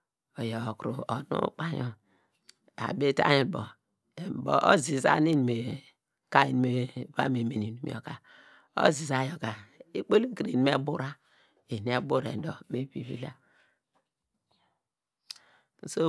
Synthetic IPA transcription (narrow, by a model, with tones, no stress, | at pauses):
o˨jo˨kɾu˨o˨nṵ˦k͡pa˨ɲɔ˨ | a̰˨be˦ta̰˦ɲi˨bo˨ | e˨bo̰˨ʔo̰˦zi˨za̰˦ni˦n˨me˨ | ka˦i˨n˨me˦a˦me˨me˨ni˨nu˨m̰˨o̰˨ka˨ | o̰˦zi˨za˨jo˨ka˨i˦k͡po˦li˦ki˨ɾi˨ni˨˦me˦bu˦ɾa˦ | e˨n˨e˦bu˦ɾḛ˨n˨do˨˦me˨bi˨βḭ˦la˦˨˦ | so˦